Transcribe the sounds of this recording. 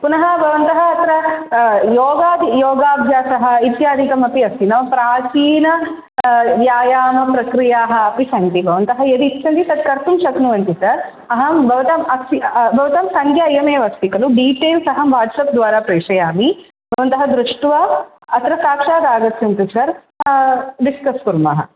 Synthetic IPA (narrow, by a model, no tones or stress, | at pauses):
punɐɦɐ̆bʱɐʋɐnt̪ɐɦɐːt̪ɾɐ | joːɡaːd̪ijoːɡaːbʱjaːsɐɦɐ̆it̪jaːd̪ʱikɐmɐpiɐsinɐmpɾaːt͡ʃiːnɐ | jaːjaːmɐpɾɐkɾijaːɦɐ̆ɐpiʃɐnt̪ibʱɐʋɐnt̪ɐɦɐjɐd̪it̪ːʃʰɐnt̪it̪ɐd̪kɐɾt̪umʃɐknuʋɐnt̪isɐɾ | ɐɦɐbʱɐʋɐt̪ɐmɐibʱɐʋɐt̪ɐmsɐŋkʰjaɐjɐmeːʋɐst̪ikɐluɖiːʈeːlsɐɦɐmʋaːʈsɐp̚d̪ʋaːɾaːpɾeːʂɐjaːmi | bʱɐʋɐnt̪ɐɦɐd̪ɾuʂʈʋɐ | ɐt̪ɾɐsaːkʂaːd̪aːɡɐt̪ːt͡ʃɐnt̪usɐɾ | ɖiskɐskuɾmɐɦɐ̰